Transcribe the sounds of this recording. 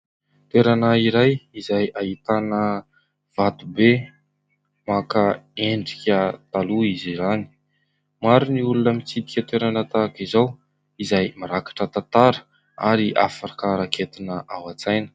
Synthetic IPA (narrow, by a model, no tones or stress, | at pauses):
t̪eɾanaiɾajizajaɦit̪anə | v̥at̪ube | makaeɳɖ͡ʐikʲət̪aluizizani̥ | maɾuniulunəmit͡sit̪i̥kʲət̪weɾanət̪akizaw | izajmaɾakḁʈ͡ʂət̪at̪aɾə̥ | a̰ɾiʔa̰fakaɾakʰet̪inəʔawat͡sajnə̥